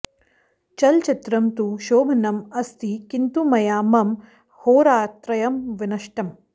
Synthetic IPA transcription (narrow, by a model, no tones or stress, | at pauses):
t͡ʃɐlt͡ʃit̪ɾɐmt̪uʃoːbʱɐnɐmɐst̪ikint̪umɐjaːmɐm | hoːɾaːt̪ɾɐjɐmʋɪnɐʃʈɐm